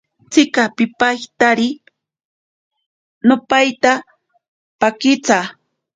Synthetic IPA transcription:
t͡sɪkapɪpajt̪aɾɪ | nopajt̪a | pakɪt͡sa

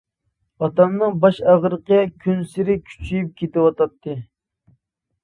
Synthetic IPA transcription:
ɑt̪ɑmnɨŋbɑʃæʁɾəqəjɑkʲʰynsɪɾɪkʲʰy̥t͡ʃʰyjyp̚kʲʰet̪ɪwɑt̪ɑt̪ʰːɨ

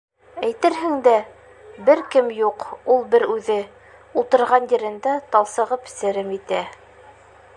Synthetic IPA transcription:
æjt̪ɘɾɦɘŋd̪æ | bɘɾkɘmjuqulˠbɘɾʉðɘ | ulˠt̪ɤ̆ɾʁɑnjɘ̆ɾɘ̆nd̪æt̪ɑlˠsɤ̆ʁɤpsɘ̆ɾɘmjit̪æ

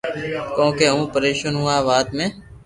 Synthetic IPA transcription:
kõːkeːũːpəɾeːʃənɦũːãːʋaːt̪mẽː

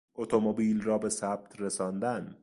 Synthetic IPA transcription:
ʔot̪ʰomobiːlrɒːbe̞sæb̥̚t̪ʰresɒːnd̪æn

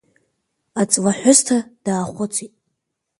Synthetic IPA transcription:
at͡sʼlaħʷʊstʰad̥aːχʷʊt͡sʷʰitʼ

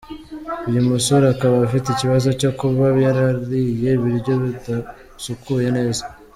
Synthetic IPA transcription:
ujumusuɾakaβafiteiciβazo̞co̞kuβaβjaɾaɾɾije̞βiɾɟo̞βida | sukʰuje̞ne̞ːza

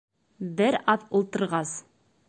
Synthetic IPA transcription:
bɪɾɑtʊlˠt̪ə̆ɾʁɑz

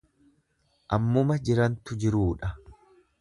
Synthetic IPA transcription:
ʔɐmːʊmɐd͡ʒɪɾɐnt̪ʊd͡ʒɪɾuːᶑɐ

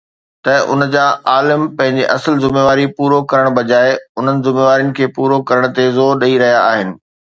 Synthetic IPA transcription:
t̪ɐʊ̰nd͡ʑaːaːlɪmpɐ̃ɦɪ̃ɲd͡ʑeʔɐsəlzʊmeːʋaːɾipuːɾokɐɾəɽ̃ɓɐd͡ʑaːeʊn̤ənɪ̆zʊmeːʋaːɾijʊnɪ̆kʰeːpuːɾokɐɾəɽ̃t̪ezoːɾɗɐiɾɐɦijaaːɦɪnɪ̆

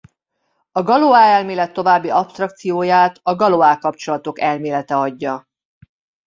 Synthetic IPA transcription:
ɒɡɒloaːɛlmeːlɛt̪ːo̞vaːbːiɒpst̪rɒk̚t̪sijoːjaːt̪ɒɡɒloaːkɒpt͡ʃo̞lɒt̪o̞kɛlmeːlɛt̪ɛɒɟːɒ

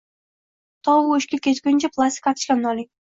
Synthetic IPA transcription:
t̪ʰɒwuɵʃkʲalkʲet̪kʲʊnt͡ʃaplˠast̪ʲɪ̥kat̪ʰɪ̥ʃkʲanɒlɪŋ

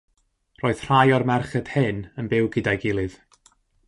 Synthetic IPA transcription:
roːɨð̥r̥ajɔrmɛrχɛd̥hɨnənbɪwɡɪdajɡɪlˠɨð̥

